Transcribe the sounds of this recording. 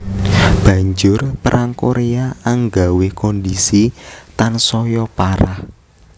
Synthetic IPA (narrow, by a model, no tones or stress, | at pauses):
b̥ä̤ɲd͡ʒʊrpəɾʔaŋkoɾeaaŋɡawekɔndisit̪ansɔjɔpaɾa̰h